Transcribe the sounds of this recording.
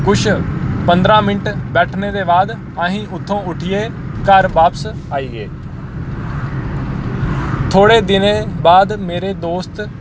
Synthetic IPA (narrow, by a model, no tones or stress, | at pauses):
kʊt͡ʃʰpənd̪ɾãːmɪnʈbɛːʈʰneːd̪eːbaːd̪ | aːɦĩːʔʊt̪ʰːõːʊʈʰɪjeː | kəɾʋaːpəs | aːiːɡeː | t̪ʰoːɽeːd̪ɪnẽːbaːd̪meːɾeːd̪oːst̪